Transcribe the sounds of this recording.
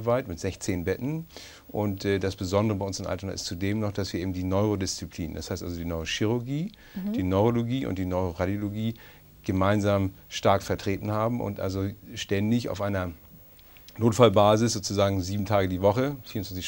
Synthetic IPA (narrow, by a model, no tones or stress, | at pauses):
vaɪtmɪtz̥ɛçt͡seːnbɛtn̩ | ʔʊntɛdasb̥əzɔndəʁəbaɪʔʊnsɪmʔa̰ltɐna̰ʔɪ̰stt͡sudeːmnɔχd̥asviːɐeːm̩diːnɔʏʁodɪst͡sipʰlḭːnd̥ashaɪstʔa̰lzodiːnɔʏʁoʃiʁʊɐɡiː | d̥iːnɔʏʁoloɡiːʔʊ̰nt̚d̥iːnɔʏʁoʁadjoloɡiː | ɡ̥əmaɪnzaːmʃtaɐkfɛɐtʁ̥eːtn̩haːbm̩ʔʊ̰ntʔa̰lzoʃtɛndɪça̰ʊfʔaɪnɐ | noːtfalbaːzɪszoːt͡suzaːɡŋ̩ziːbm̩tʰaːɡədiːvɔχəfiːɐʊnt͡ssv̥ant͡sɪʃ